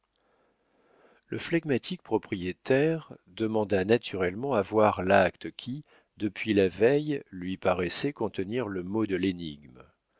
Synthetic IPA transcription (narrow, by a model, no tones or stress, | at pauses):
ləflaɡmat̪ʰik̚pχɔpχijet̪ɛʁd̪əmɑ̃d̪anat̪ʰyʁɛlmɑ̃avwaʁlakt̪kʲʰi | d̪əpʰɥilavɛjlɥipaʁɛsɛkɔ̃t̪əniʁləmod̪əleniɡm